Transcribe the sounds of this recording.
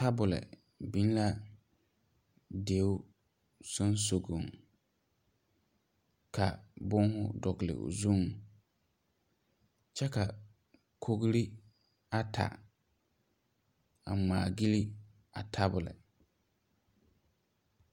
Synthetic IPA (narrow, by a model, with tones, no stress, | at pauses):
ta˦bʊ˨lɛ̰˨ | bi˦n˦la˦ | de˨˦ʊ˦ | so˦nso˨ɡo˨ŋ | kʰa˨bʊ˦ŋhʊ˦dɔ˨ɡlɪ̰˨zu˦˨ŋ | t͡ʃɛ˦ka˨ | kʰo˦ɡɾi˦ | a˦tʰa̰˨ | a̰˨maː˨ɡi˦li˦ | a˨tʰa˦bʊ˨lɪ̰˨